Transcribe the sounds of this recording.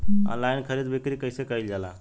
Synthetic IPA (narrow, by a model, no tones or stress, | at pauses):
ə̰̃nlajnkʰəɾid̪bʱikɾikəjsekəjld͡ʒala̰